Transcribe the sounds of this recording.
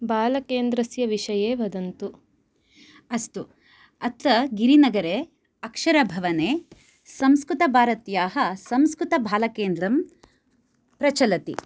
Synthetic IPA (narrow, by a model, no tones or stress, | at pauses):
bʱaːlɐkeːnd̪ɾɐsjɐʋiʃɐjeːʋɐd̪ɐnt̪u | ɐst̪u | ɐt̪ɐɡiɾinɐɡɐɾeː | ɐkʂɐɾɐbʱɐʋɐneː | sɐmskɾut̪ɐbʱaːɾɐt̪jaːɦɐsɐmskɾut̪ɐbʱaːlɐkeːnd̪ɾɐm | pɾɐt͡ʃɐlɐt̪ḭ